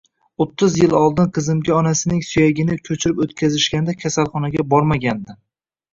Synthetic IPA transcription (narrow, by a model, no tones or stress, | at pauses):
ot̪ʰːʊzjɪlɒlˠd̪ɪnqʰɨzɪmɡʲɪɒnasɪnɪŋsʊjaɡʲɪnɪkʲʰɵt͡ʃʰɪɾɪpot̪kʲazɪʃkʲand̪akʲʰasalˠχɒnaɡʲabɒɾmaɡʲand̪ɪ